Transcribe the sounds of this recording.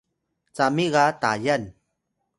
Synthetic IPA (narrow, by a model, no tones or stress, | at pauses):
t͡samiɣatajan